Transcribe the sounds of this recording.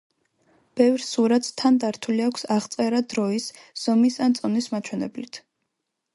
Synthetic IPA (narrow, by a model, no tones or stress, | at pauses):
b̥ɛvɾsuɾat̪t̪ʰand̪aɾt̪ʰuliakʷʰsaʁt̪sʼɛɾad̪ɾɔisz̥ɔmisant̪sʼɔnismat͡ʃʰwɛnɛblit̪ʰ